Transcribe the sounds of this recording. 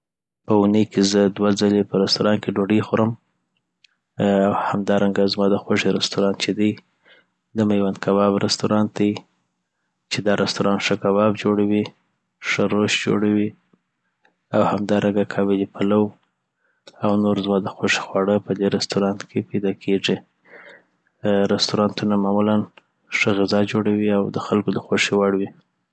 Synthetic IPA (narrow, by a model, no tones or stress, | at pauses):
pəunəjkezəd̪wad͡zalepəɾɪst̪uɾɑnkeɖoɖixoɾəm | awhamd̪ɑɾaŋɡazmɑd̪əxoʂeɾɪst̪uɾɑnt͡ʃed̪əj | d̪əmajwand̪kʰabɑbɾɪst̪uɾɑnt̪əj | t͡ʃed̪ɑɾʔɪst̪uɾɑnʂəkabɑbd͡ʒoɽawi | ʂəɾoʃd͡ʒo̰ɽawi | awhamd̪ɑɾʔaɡakʰɑbed̪ipʰalaw | awnoɾzmɑd̪əxoʂe̥xwɑɽəpəd̪eɾɪst̪uɾɑnt̪kʰepajd̪ɑkʰeʐi | ɾɪst̪uɾɑnt̪unamɑmulan | ʂəɣɪzɑd͡ʒoɽawiawd̪əxalkod̪əxwoʂiwaɽwi